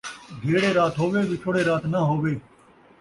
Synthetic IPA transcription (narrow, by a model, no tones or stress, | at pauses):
ɡʱeːɽeːɾaːt̪ɦoːʋeːʋiːt͡ʃʰoːɽeːɾaːt̪naːɦoːʋeː